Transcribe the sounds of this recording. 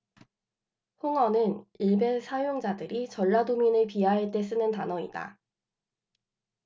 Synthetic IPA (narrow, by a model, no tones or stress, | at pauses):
hoŋʌnɯniɭbe̞sʰajoŋd͡ʑadɯɾit͡ɕʌɭːadominɯɭpiɦaɦaɭt͈e̞s͈ɯnɯntanʌida̰